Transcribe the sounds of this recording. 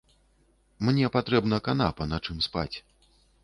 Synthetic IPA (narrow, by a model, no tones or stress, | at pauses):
mnʲɛpat̪ɾɛbnɐkanapɐnat͡ʂɨmspa̰t͡sʲ